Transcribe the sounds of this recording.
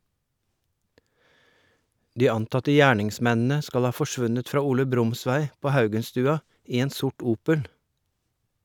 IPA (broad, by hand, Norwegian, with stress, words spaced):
ˈdiː ˈɑntɑtə ˈjæːɳɪŋˌsmɛnn̩ə ˈskɑl ˈhɑː fɔˈʃʋʉnət ˈfɾɑː ˈuːlə ˈbɾʊmˌsʋæɪ ˈpoː ˈhɑʉɡənstʉːɑ ˈiː ˈeːn ˈsʊʈ ˈuːpəl